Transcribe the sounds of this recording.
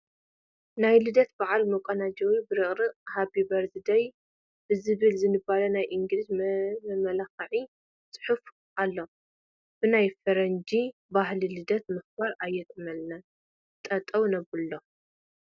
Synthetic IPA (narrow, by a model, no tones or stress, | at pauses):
najlɨd̪ɐt̪baʕalmɐkʷʼɐnad͡ʒɐwibɨɾɨχʼɾɨhabibɐɾzɨd̪ɐj | b̥ɨzɨβɨlzɨnɨbalɐnajʔɨŋɡɾid͡ʒmɐlaxɐʕi | sʼɨ̥ħuf | ʔalːo̞ | b̥ɨnajfɐɾɐnd͡ʒibaɦlilɨd̪ɐt̪mɨxbaɾajːɛt̪ʰɨmɐlna | t̪ʼːɐt̪ʼːɐwnɐβɨlːo